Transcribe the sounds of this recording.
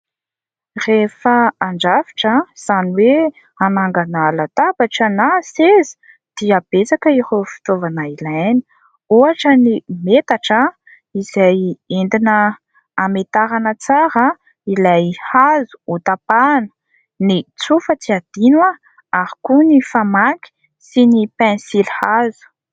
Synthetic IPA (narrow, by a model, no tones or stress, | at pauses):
refəaɳɖ͡ʐavi̥ʈ͡ʂaz̥aniwe | anaŋɡanalat̪abaʈ͡ʂənasezi̥ | d̪̥iab̥et͡sakəiɾofi̥t̪ovanailajni̥ | oaʈ͡ʂənimet̪aʈ͡ʂə | iz̥ajend̪inəː | met̪aɾanət͡saɾə | ilajhazu̥ut̪apanə̥ | nit͡sufət͡siad̪̥inwa | aɾikunifamaɡi̥ | sinipɛ̃nsilhazu̥